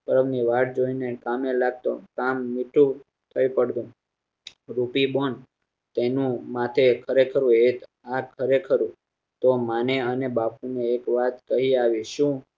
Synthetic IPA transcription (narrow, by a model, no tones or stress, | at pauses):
pəɾəmniʋaʈ̚ʰd͡ʒoinekamelaɡ̚t̪o̰kamːiʈʰũ | t̪ʰəjpəɽd̪ũ | ɾupibon | t̪enũmãt̪ʰekʰəɾekʰəɾũet̪ | akʰəɾekʰəɾũ | t̪omaneənebapuneːkʋat̪kəɦiaʋiʃũ